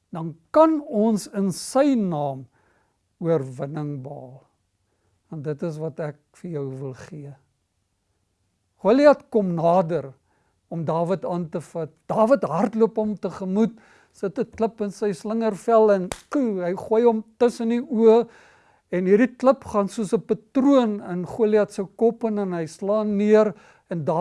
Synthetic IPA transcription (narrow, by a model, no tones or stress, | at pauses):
dɐnkɐnɔnsənsəjnɑːm | uərvənəŋbɑːlˠ | vɐntdətəs̬vɐtæk̚ | fərjœwvəlˠχiə | χuəliɐtkɔmnɑːdər | ɔmdɑːvətɑːntəfɐt̚d̥ɑːvətɦɐrtluəpɦɔmtəχəmut | sətətləpənsəjsləŋərfælˠɛnkuɦɐjχuəjɦɔmtəsəniuə | ɛnɦiːɾditləpχɑːnsuəsəpɐtruənənχuəliɐtsəwkɔpənənɦəjslɑːnːiər | ɛndɑː